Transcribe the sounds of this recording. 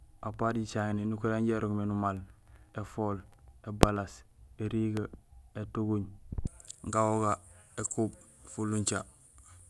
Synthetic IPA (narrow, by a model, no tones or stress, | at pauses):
apaɾɟit͡ʃaŋninukuɾaɲɟeɾʔoŋmenumalefolebalaseɾiɡaetuɡuɲ | ŋɡawoɡaekub̚ | fulːuɲt͡ʃa